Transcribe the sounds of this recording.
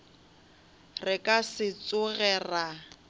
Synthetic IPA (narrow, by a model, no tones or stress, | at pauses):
rɪkʼasɪt͡sʼʊɣɛːra